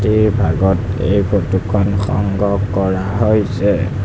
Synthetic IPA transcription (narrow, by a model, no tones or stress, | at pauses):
tiɹbʱaɡɔtḛjpʰotukʰɔnxɔ̰ŋɡɔkːɔɹaɦojsɛ